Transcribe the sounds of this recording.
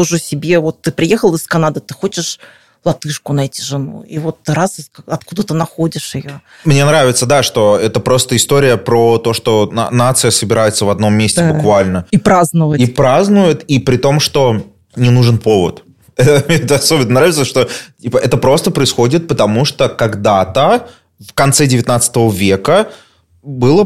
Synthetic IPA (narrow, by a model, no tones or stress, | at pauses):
oʐɨsʲɪbʲe̞vo̞t̪ːɨpɾʲɪjexəlˠɪskɐnad̪ɨt̪ɨ̥xo̞t͡ɕɪʂ | lˠɐt̪ɨʂkʊnɐɛtʲɪ̥ʐɨnṵivo̞t̪ːɨɾaskaɐt̪̚kud̪ət̪ɨnɐxo̞dʲɪʂɪjo | mnʲe̞nɾavʲɪt̪səd̪aʂt̪o̞ɛt̪əpɾo̞st̪əɪst̪oɾʲɪjəpɾot̪o̞ʂt̪o̞na̰nat̪sɨjəsəbʲɪɾajɪt̪səvɐd̪no̞mʲːesʲtʲɪbʊkvalʲnəipɾaznɨvəipɾaznʊjɪt̪ipɾʲɪt̪o̞mʂt̪o̞ | nʲɪnuʐɨnpo̞və̰t̪ | ɛt̪əɛt̪əɐso̞bʲɪnənɾavʲɪt̪səʂt̪o̞ipəʔɛt̪əpɾo̞st̪əpɾəɪsxo̞dʲɪt̪̚pət̪ɐmuʂt̪okɐɡd̪at̪ə | vkɐnt̪sɛdʲɪvʲɪt̪nat̪sɨ̥t̪əvəvʲe̞kə | bɨlˠə